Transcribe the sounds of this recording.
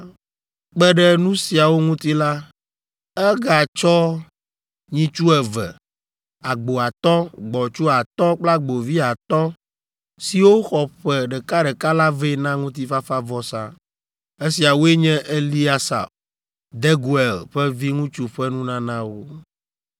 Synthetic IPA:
k͡pɛ˦ɖɛ˦nũ˦si˨a˨wo˦ŋũ˦t̪i˦la˦ | ɛ˦ɡa˨t͡ʃɔ˦ | ɲĩ˦t͡ʃu˦ɛ˨vɛ̰˨ | a˨ɡ͡bo˨a˨t̪ɔ˦ɡ͡bɔ˨t͡ʃu˦a˨t̪ɔ˦k͡pla˦ɡ͡bo˨vi˦a˨t̪ɔ˦ | si˨wo˦xɔ˨ɸɛ˨ɖɛ˨ka˦ɖɛ˨ka˦la˦ve˦nã˦ŋũ˦t̪̬i˦fa˦fa˦vɔ˦sa̰˦ | e˦si˨a˨wo˦e˦ɲɛ̃˦ʔe˦li˦a˦sa̰˨b̚ | d̪ɛ˦ɡu˦ɛ˨lɸɛ˦vi˦ŋũ˦t͡ʃu˦ɸɛ˦nũ˦nã˦nã˦wo˦

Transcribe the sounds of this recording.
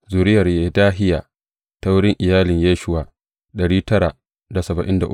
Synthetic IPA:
zʊ˨ɾɪ˦jɐ˨rjaː˨˦daː˦ɦɪ˦jaː˨ | ta˦wʊ˦ɽɪ˦ŋʔɪ˨jaː˦lɪ˨ɲjaː˦ʃʊ˦waː˨ | ɗɐ˨ɽiː˦tɐ˦ɾa˨ | da˨sɐ˨bɐ˨ʔɪ˦nda˨ʔʊ˦

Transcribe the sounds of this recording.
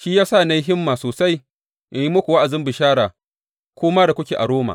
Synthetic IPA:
ʃiː˦jaː˦sa˦˨na˦jɦɪ˦mːaː˨soː˨sa˦j | ʔɪ˨ji˦mʊ˦kʷu˨wa˦ʔa˨zɪ˦mbɪ˨ʃaː˦ɽaː˨ | kʷoː˦maː˦da˨kʷʊ˦kʲeː˨ʔa̰˨ɽoː˦ma̰ː˨

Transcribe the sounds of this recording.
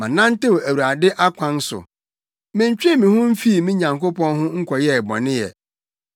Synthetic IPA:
mã˨nã˦n̩˦tɪ˦wæ˨wa˨dɪ˦ʔa˦kʷʰã˦n˦sʊ̰˨ | mɪ̃˨ɲ˦t͡ɕᶣɛ˦mĩ˨hʊ̃˦m̩˦fi˦˨mĩ˦ɲã˨ŋko˦pɔ̃˦nɦʊ̃˦ŋ̩˦kʰʷɔ˨jɛ˦˨bɔ̰˨nɪ̃˦jɛ̰˨

